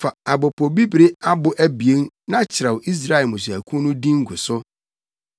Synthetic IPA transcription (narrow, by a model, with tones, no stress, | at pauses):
fa˨a˨bɔ˨pʰɔ˨bi˦bɾɪ˦a˦bʊ˨ʔæ˦bi˨e˦n | nã˦t͡ɕʰɪ˨ɾa˨wʔi˦s̬ɾa˦˨ɛ˨mʊ̃˨sæ˨kʰũ˦nʊ̃˦dĩ˦ŋ̩˦ɡʊ˨sʊ˦